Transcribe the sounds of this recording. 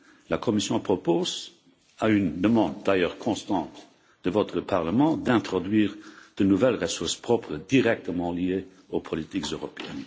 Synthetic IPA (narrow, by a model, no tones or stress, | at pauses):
lakʰɔmisjɔ̃pχɔpoz | aynd̪əmɑ̃d̪̚ːajœːʁkʰɔ̃st̪ɑ̃t̪ | d̪̥əvɔt̪χəpaʁləmɑ̃d̪ɛ̃t̪χɔd̪ɥiːʁd̪̥ənuvɛlʁəsuʁspχɔpχəd̪iʁɛk̚t̪əmɑ̃lie | opʰɔlit̪ikzøʁɔpeɛ̰n